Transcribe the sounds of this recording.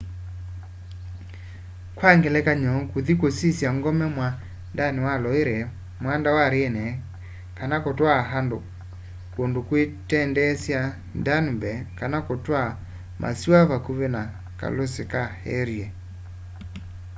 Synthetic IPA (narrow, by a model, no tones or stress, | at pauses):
kwaŋɡelɛkaɲɔkoðikosisjaŋɡɔmɛmwa | ndanewalɔeɾɛ | mwandawaɾeːnɛ | kanakotwaɦando | kondokwetɛndɛsja | ndanibɛkanakotwa | mʔa̰siwaβakuβena | ka̰losekahɛ̰ɾiɛ